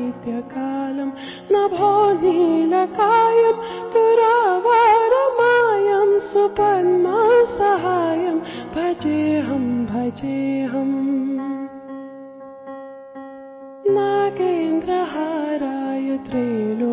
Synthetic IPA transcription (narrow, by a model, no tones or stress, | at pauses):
t̪jɐkaːlɐm | nɐbʱɔːnilɐkaːjɐmt̪uɾaːʋaːɾɐmaːjɐmsupɐnmasɐɦaːjɐmbʱɐd͡ʒeːɦɐmbʱɐd͡ʒeːɦɐm | nakeːnd̪ɾɐɦaːɾaːjɐt̪ɾeːlo